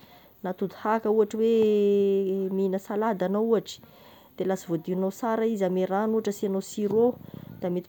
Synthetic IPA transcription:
nat̪ud̪uhakəuaʈ͡ʂəwe | minəsalad̪anauaʈ͡ʂə̥ | d̪̥elasivod̪iunasaɾaizameɾanuaʈ͡ʂəsianowsiɾod̪̥amet̪

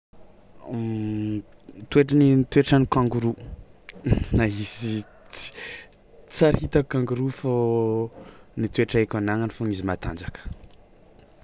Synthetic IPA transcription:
t̪ueʈ͡ʂənit̪ueʈ͡ʂənikaŋɡuɾu | naɦisi̥ | t͡saɾhit̪akaŋɡuɾufo | nit̪ueʈ͡ʂaekʲanaŋanifuɲizimat̪a̰nd͡ʒakə̥

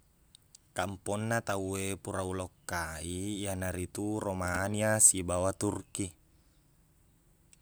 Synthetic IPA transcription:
kampɔnːat̪auepuɾaulokːaijanaɾit̪uromaniasibawat̪urki

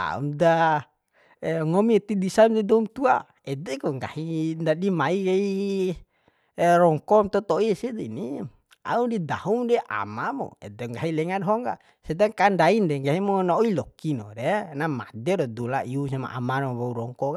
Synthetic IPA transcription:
a̰ṵmda | ŋɔmit̪idisamdɛdɔumt̪ua | ɛd̪ɛkɔŋɡa̰hindadimaikai | ɾɔŋkɔmt̪ɔt̪ɔisid̪ini | a̰udid̪aɦumdɛʔa̰mamo̰ɛ̰d̪ɛŋɡaɦilɛŋadɦɔŋɡa̰ | sɛd̪aŋkandaindɛŋɡaɦimonaoilɔkinɔ̰dɛnama̰dɛdɔd̪ulaʔiusama̰ʔa̰manmobauɾɔŋkɔka

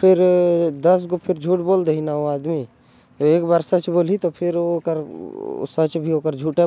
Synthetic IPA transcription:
pʰɪɾd̪ɐs̬kopʰɪɾd͡ʒʱuːʈboːld̪einaoaːd̪mi | oeːkbaːɾsɐt͡ʃboːlit̪opʰɪɾoːkəɾ̰sɐt͡ʃbʱioːkəɾd͡ʒʱuːʈe

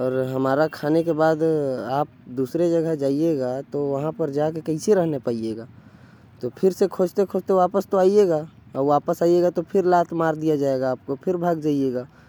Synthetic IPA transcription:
ɔːɾɦəmaːɾakʰaːnekebaːd̪aːp̚d̪uːsɾed͡ʒəɡəɦd͡ʒaːieɡat̪oʋəɦãpəɾd͡ʒakekə̃ɪseɾəɦnepaijeːɡaː | t̪opʰɪɾsekʰoːd͡ʒt̪ekʰod͡ʒt̪eʋaːpəst̪oaːieɡaː | ʋaːpəsaːijeɡat̪opʰɪɾlaːt̪ʰmaːɾd̪ijad͡ʒaːeɡaːp̚kopʰɪɾbʱaːɡd͡ʒaːieːɡaː

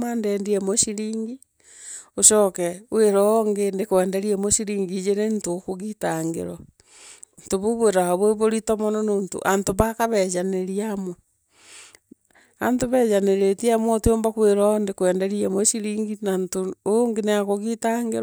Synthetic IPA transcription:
mandendiemoʃiɾiːŋɡi | oʃɔkɛweɾooŋɡendekwɛːndeɾiemoʃiɾiːŋɡid͡ʒenentokoɣitaŋɡḛɾo | ntoβoβweɾahaβweβoɾitomonononto̰ʔantoβakaβed͡ʒaneɾiamo | antoβɛd͡ʒaneɾetiamotwombakweɾondekwɛːndeɾiemoʃiɾiːŋɡinantooŋɡeneakoɣitaŋɡeɾ

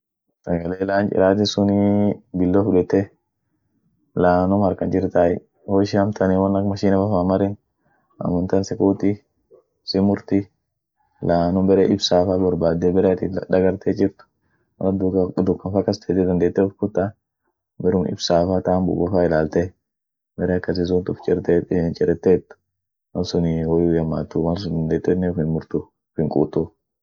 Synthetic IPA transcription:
sɐɡɐleːlaːnt͡ʃʼɪ̰ɾaːt̪̬ɪsʊnibɪlːofʊᶑɛt̪ːɛ | laːnʊmɐɾkɐnd͡ʒɪɾt̪aːj | hoːʃɪɐmt̪ʰɐniwɐnɐkmɐʃiːnɛfɐfamɐɾɪn | ɐ̰mʊnt̪ɐnsɛkuːt̪ɪ | sɪmʊɾt̪ɪ | laːnʊbɛɾɛʔɪbsaːfabɐɾbaːd̪ɛbɛɾɛɐt̪ɪᶑ̪ɐɡɐɾt̪ʰɛd͡ʒɪɾt̪ʊ̥ | mɐ̰ɐd̪ʊkːɐfakːɐst̪ʰeːt̪ːɛd̪ɐnd̪eːt̪ːɛɔfkʊt̪ːa | bɛɾʊmɪ̰bsaːfaːt̪aːmbʊ̰ɡɔfaːɪlaːlt̪ɛ | bɛɾɛɐkːɐs̬ɪs̬ʊnt̪ʊft͡ʃʼɪɾt̪et͡ʃʼɪɾɛt̪ːeːt̪ːʊ̥ | mɐnsʊnwɔjuːjɐmːaːt̪ːuwɐns̬ʊd̪ɐnd̪eːt̪ːɛnːɛfɪnmʊɾt̪u | fɪŋkʼṵːt̪ːu

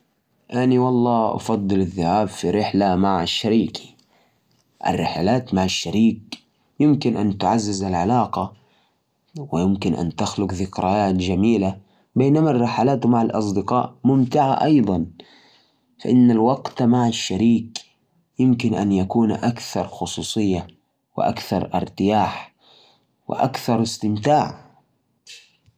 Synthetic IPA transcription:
ʔaniwɑlˤːɑːʔɑ̰fɑd̪ˤːɨlaðːʊhaːbfiɾɪħlamaʕaʃːaɾiːk | ʔa̰rːɪħalaːt̪maʕaʃːaɾiːk̚ | jɪmkɪnʔant̪ʊʕazːɪzalʕalaːqɑ | wɪjɪmkɪnʔa̰nt̪axlʊqðɪkɾajaːt̪d͡ʒamiːla | beːnamarˤːɑħalaːt̪maʕalʔɑsˤd̪ɪqɑ̰ːʔmʊmt̪ɪʕa̰ʔɑjd̪ˤɑn | faʔɪnːalwɑɡt̪maʕaʃːaɾiːk | jɪmkɪnʔa̰njakuːnʔakθɑɾˤxʊsˤuːsˤɨjːa | wɪ̰ʔa̰kθɑ̰ɾˤʔɪ̰ɾˤt̪ɪjaːħ | wɪ̰ʔa̰kθɑɾˤɪst̪ɪmt̪aːʕ

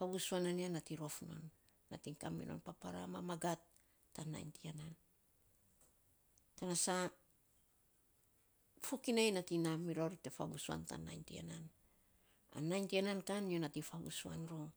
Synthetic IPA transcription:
faβusuananianatiɾo̞fno̞̰nː | atiŋkamḭno̞̰npapaɾa̰mamaɡatː | ana̰jntianan | kanasa | fukinajnatinamiɾoɾte̞fabusua̰nta̰najntia̰nan | a̰najntianankanjonatifaβṵsua̰nɾoŋ

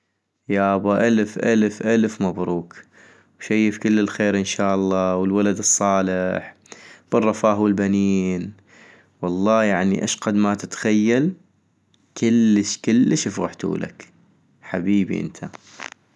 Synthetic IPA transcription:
jaʔɑbɑʔalfʔalfʔalfmabɾuːk | wʃajːɪfkɪlːɪlxeːɾʔɪnʃaːʔɑlˤːɑːwəlwalad̪ɨsˤːɑːlɪħ | b̥ɨrˤːɑfaːhwɪlbaniːn | wɑlˤːɑːjaʕniʔa̰ʃqad̪mat̪ɪt̪xajːal | kʰɪlːəʃkɪlːʃɪfɣaħt̪ṵːla̰k | ħabiːbḭʔɪ̰nt̪ʰa

